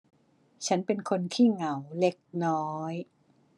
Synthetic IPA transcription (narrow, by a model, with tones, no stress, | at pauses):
t͡ɕʰa˦˥npe˧nkʰo˧nt̪ʰiː˥˩ŋa˩˦wle˦˥˩k̚nɔː˦j